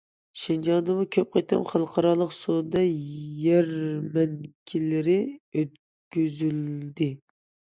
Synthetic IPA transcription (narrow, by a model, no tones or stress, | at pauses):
ʃɪnd͡ʒɑnd̪ɨmukʲʰøp̚qʰet̪ʰɨ̰mχɑlˠqʰɑɾɑlˠəqsod̪ɑjæɾmɛnkʲʰilɪɾɪøt̪̚ | ɡʲyzyld̪ɪ